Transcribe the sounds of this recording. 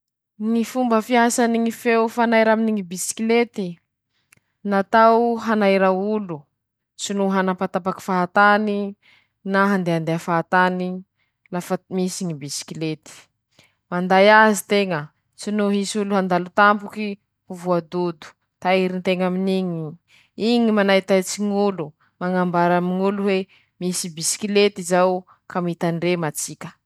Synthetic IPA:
nifumbəfiasaniŋifewfanajɾaminiŋibisi̥kilet̪i | nat̪awɦanajɾaulu | t͡sinuɦanapat̪apaki̥faɦat̪ani | naɦand̪eand̪eafaɦat̪ani | lafamisiŋibisi̥kilet̪i̥ | mand̪ajazit̪eŋə | t͡sinuɦisuluɦand̪alut̪ampuki | huvuad̪ud̪u̥ | t̪aiɾint̪eŋaminiɲi | iŋimanait̪ajt͡siŋulu | maŋambaɾamiɲuluwe | misibisi̥kilet̪izaw | kamit̪anremat͡sikʲə̥

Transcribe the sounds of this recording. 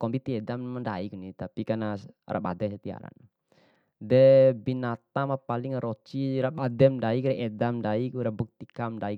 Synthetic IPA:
kɔmbit̪iɛdamːənda̰iknit̪apikana | rʔa̰ba̰dɛnsət̪ia̰ɾa̰n | dɛbinat̪amapalɪŋɾot͡ʃiɾapadɛmdaikɾɛʔɛdamdaikɾabuk̚t̪ikamdaik

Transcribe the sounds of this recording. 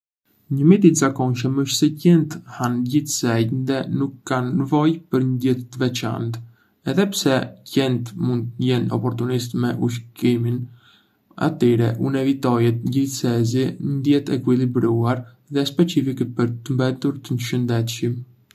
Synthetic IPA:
ɲəmit̪it̪zakɔnʃəməʃt̪sɛcɛnt̪hanɟiθsɛɟnd̪ɛnukːanːəvɔjpəɾnəd̪jɛt̪t̪əvɛt͡ʃa̰nt̪ | ɛðɛpsɛcɛnt̪mund̪t̪jɛnɔ̰pɔɾt̪unist̪mɛʔuʃ̬kimin | a̰t̪ɛɾɛʔunɛvit̪ɔjɛt̪ɟiθsɛziɲəd̪jɛt̪ɛkwilibɾuaɾ | ðɛspɛt͡ʃifikpəɾt̪ːəmbɛt̪uɾt̪ənʃənd̪ɛt̪ʃim

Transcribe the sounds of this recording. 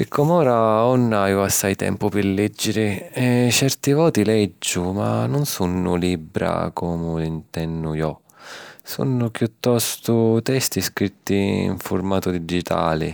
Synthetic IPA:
pɪkʰːɔmɔːɾaɔnːajʊasːajt̪ɛ̰mpʊpɪlɛd͡ʒːɪɾɪɛt͡ʃɛrt̪ivɔːt̪ilɛd͡ʒːʊma̰nːʊnsunːʊliːbɾa̰kɔːmʊlint̪ɛnːʊjɔ | sṵnːʊpjut̪ːɔst̪ʊt̪ɛst̪iskɾit̪ːiḭɱfʊrmaːt̪ʊd̪id͡ʒit̪ʰa̰ːlɪ̰

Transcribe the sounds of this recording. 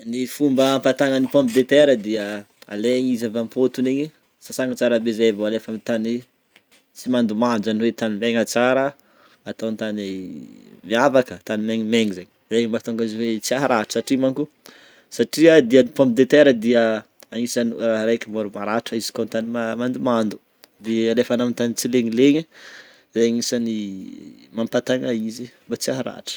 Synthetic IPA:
nifumbəːmpat̪aŋanipõmpid̪et̪eɾəd̪iə | a̰leɲizavampot̪uneɲi | sasaŋat͡saɾabezajvoalefəmit̪ani | t͡simand̪umand͡ʒanwet̪animeŋat͡saɾə | at̪awnt̪ane | miavakət̪animeŋimeŋizaɲizeɲimbat̪oŋɡaziwet͡siaɦaɾaʈ͡ʂə̥saʈ͡ʂimaŋku | saʈ͡ʂiad̪ianipompid̪et̪eɾəd̪iə | aŋisanraɾajkimoɾumaɾaʈ͡ʂəizi̥kont̪animamand̪umand̪u̥ | d̪ealefanamint̪anit͡sileŋileɲi | zaɲisani | mampat̪aŋaizimbat͡siaɦaɾa̰ʈ͡ʂə̥

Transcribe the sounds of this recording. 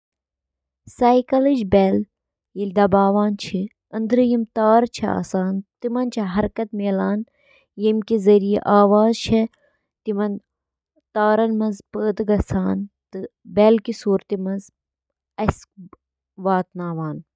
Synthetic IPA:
saːjkɐlid͡ʒbel | jilʲd̪ɐbaːʋaːnt͡ʃʰi | ɐnd̪ɾɨjimt̪aːɾt͡ʃʰɐa̰ːsaːnt̪imɐnt͡ʃʰɐɦɐɾkɐt̪meːlaːn | jimkizɐɾijḛʔaːʋaːzt͡ʃʰe | t̪imɐn | t̪aːɾɐnmɐnzpəːd̪ɨɡɐsaːnt̪ɨbeːlkisuːɾt̪imɐnz | ɐs | ʋaːt̪naːʋaːn

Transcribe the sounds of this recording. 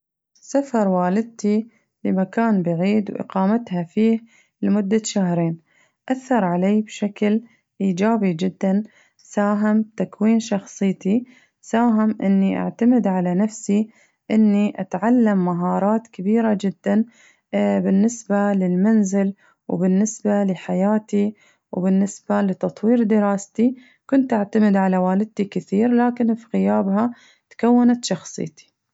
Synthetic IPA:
safɑɾˤwaːlɪd̪̚t̪i | lɪmakaːnbaʕiːd̪wʔɪ̰qɑːmat̪hafiːh | lɪmʊd̪ːaʃahɾeːn | ʔaθːɑɾˤʕaleːbʃakl | ʔiːd͡ʒaːbid͡ʒɪd̪ːan | saːɦɪmt̪akwiːnʃɑxsˤɨjt̪i | saːɦɪmʔɪ̰nːiʔa̰ʕt̪amɪd̪ʕalanafsi | ʔɪnːiʔat̪ʕalːamːaɦɑːɾˤɑːt̪kabiːɾad͡ʒɪd̪ːan | bɪnːɪsbalɪlmanzɪl | wbɪnːɪsbalɪħajaːt̪i | wbɪnːɪsbalɪt̪ɑt̪ˤwiːɾd̪ɪɾɑːst̪i | kʊnt̪ʔaʕt̪amɪd̪ʕalawaːlɪd̪̚t̪ikɪθiːɾlaːkɪnfiɣɪjaːbɦa | t̪kawːanat̪ʃɑxsˤɨ̰jt̪i̥

